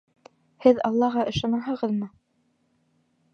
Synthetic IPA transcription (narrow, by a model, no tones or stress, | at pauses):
hɘðɑlˠːɑʁɑʔɤ̆ʃɑnɑɦɤ̆ʁɤðmɤ